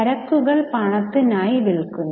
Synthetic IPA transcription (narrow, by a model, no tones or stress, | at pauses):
ɐɾɐkːuɣɐɭpɐɳɐt̪ːinaːjiʋiɭkunː